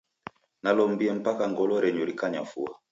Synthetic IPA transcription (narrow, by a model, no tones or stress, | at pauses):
nalɔmbiɛm̩pakaŋɡɔlɔɾɛɲɔɾikaɲafua